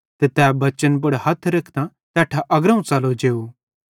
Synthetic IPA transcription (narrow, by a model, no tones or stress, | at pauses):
t̪et̪ɛːbɐt͡ʃənb̬ʊɽhɐt̪ʰɾɐkʰd̪ã | t̪ɛːʈʰaʔɐɡɾɐ̃ũt͡sɐlod͡ʒeːu